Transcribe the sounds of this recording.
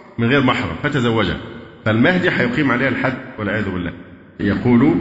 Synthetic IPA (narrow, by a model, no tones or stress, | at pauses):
mɪnɣeːɾmɑħɾˤɑ̰mfæt̪æzæwːæd͡ʒhæ̰fælmahd̪iħɑjʊqiːmʕaleːhælħad̪ːwɪlʕejæːðʊbɪlːæ̰ː | jɑquːlu